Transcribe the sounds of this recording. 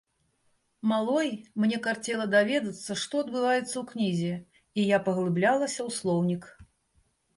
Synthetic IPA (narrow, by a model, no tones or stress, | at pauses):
malˠɔjmnʲɛkart͡sʲɛlˠɐd̪avʲɛd̪ɐt̪sːɐʂt̪ɔɐd̪̚bɨvajɛt̪sːɐwknʲizʲɪ | ijapɐɣlˠɨblʲalˠɐsʲɐwslˠɔwnʲik